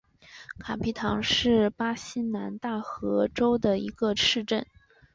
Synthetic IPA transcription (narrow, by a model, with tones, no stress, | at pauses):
kʰa˨˩pʰi˧˥t̪ʰɑ˧˥ŋʂɻ̩˥˩pa˥ɕi˥na˧˥nt̪a˥˩xɤ˧˥ʈ͡ʂo˥ʊd̪ə˨i˧˥ɡ̥ə˧ʂɻ̩˥˧ʈ͡ʂə˥˩n